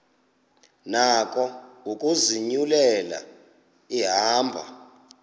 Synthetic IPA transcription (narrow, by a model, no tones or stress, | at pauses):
nak̬ʼɔukʼuziɲulɛla̰ | iɦaːmbʱa̰